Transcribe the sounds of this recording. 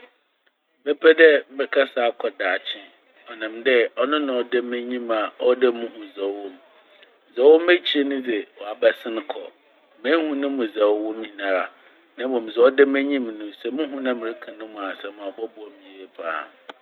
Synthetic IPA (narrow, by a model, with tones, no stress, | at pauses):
bɛ˦pʰɛ˦dɛ˦m̩˦ɪ˨ɾɪ˨kʰa˦saː˨˦kʰɔ˨daː˨t͡ɕʰɪ̃˦ | ɔ˨nã˨mdɛ˦ɔ˦nʊ̃˦nʊ̃˨ɔ˨dɛ˦mɛ̃˦ɲĩ˦ma˨ɔ˦dɛ˦mũ˦hũ˨zɛ˨wwɔ̃˦m˨ | zɛ˨wɔ˦m˦æ˦t͡ɕʰi˦ɾe˦nʊ̃˦dɛ˨wɔ˨a˨ba˨sɪ̃˦ñ˦kʰɔ˨ | mɛ̃˦hũ˦nʊ̃˦mʊ̃˨zɛ˨wwɔ̃˦m˦ĩ˨nã˨ɾa˨ | nã˦bɔ̃˨m̃˨zɛ˨˦ɔ˦dɛ˦mɛ̃˦ɲĩ˦m˨nʊ̃˦sɛ˨mũ˦ɦũ˦nã˦mɪ̃˨ɾɪ˦kʰã˨nʊ̃˦mũ˨a˨sɛ̃˨mã˨ɔ˨bɔ˦bʊ˦ɔ˨mĩ˨ɾe˦pʰa̰ː˦˨